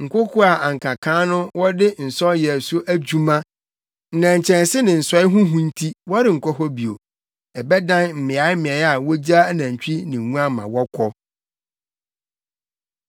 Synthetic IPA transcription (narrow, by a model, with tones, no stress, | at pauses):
ŋ̩˨kʰo˦kʰu˦a˨ʔa˨ŋ̩˨kʰa˨kʰãː˦nʊ̃˦wɔ˦dɪ˦n̩˨sɔ˦jɛ˨sʊ˦ʔæ˦d͡ʑu˦mã˦ | n̩˨nã˨ɲ˨t͡ɕʰɛ̃˨nsɪ˦nɪ̃˨n̩˨sɔ˦ɪ˦ɦʊ̃˦ɦũ˦n̩˦tʰi˦wɔ˦ɾɪ˦˨ŋ̩˨kʰɔ˦ɦɔ˦bi˨o˨ | ɛ˨bɛ˦dã˦nm̩˨mɪ̃˨a˨˦ɪ˦mɪ̃˨ɛ˨˦a˨wɔ˦d͡ʑa˦nã˨ɲ˨t͡ɕᶣi˦nɪ̃˨ŋũ˦a˦˨mã̰˨wɔ˦kʰɔ˦